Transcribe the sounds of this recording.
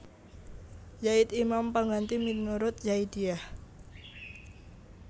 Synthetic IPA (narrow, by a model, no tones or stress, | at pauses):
jaɪt̪imampaŋɡant̪iminuɾʊt̪̚jaid̪iah